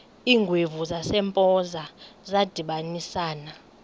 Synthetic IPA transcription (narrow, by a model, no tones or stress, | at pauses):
iːŋɡʱwivuzasɛmpʼɔzazad̥ʱiɓanisaːna